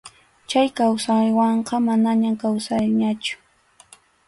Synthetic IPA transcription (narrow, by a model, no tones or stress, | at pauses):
t͡ʃajkawsajwɑɴqɑmanaɲamkawsajɲat͡ʃʊ̥